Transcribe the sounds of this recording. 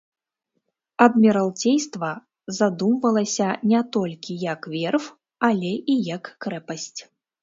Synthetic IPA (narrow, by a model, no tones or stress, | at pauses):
ɐd̪mʲɛɾalˠt͡sʲejst̪vɐ | zad̪umvɐlˠɐsʲɐnʲɛt̪ɔlʲkʲijɐkvʲɛrf | alʲɛʔijɐkːɾɛpɐsʲt͡sʲ